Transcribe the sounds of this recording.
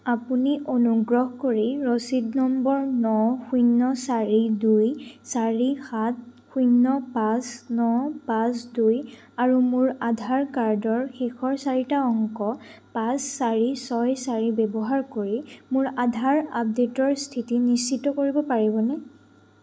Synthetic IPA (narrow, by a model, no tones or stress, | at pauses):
apuniʔonuɡɹɔɦkoɹiɹosidnɔmbɔɹnɔxujnːɔsaɹidujsaɹixat̚xujnːɔpasnɔpasduj | aɹumʊɹadʱaɹkaɹdɔɹxexʰɔɹsaɹitaɔŋkɔpasːaɹisɔjsaɹibɛbɔɦaɹkoɹimʊɹadʱaɹap̚detɔɹstʰitinist͡ʃitɔkoɹibɔpaɹibɔnɛ